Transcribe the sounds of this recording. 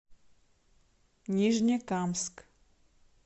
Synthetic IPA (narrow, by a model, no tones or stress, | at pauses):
ɲiʒɲɛkamsk